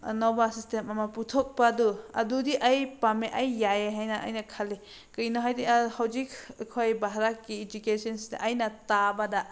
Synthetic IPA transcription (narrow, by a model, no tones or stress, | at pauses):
nɔbasistemamaputʰɔk̚paduɐ̰dudiʔajpameʔajːajeɦajnaʔːjnakʰali | kɯjnɔɦajdihawzikkʰojbaɦaɾakːiːd͡ʒukesɔnsda̰ʔajnatabada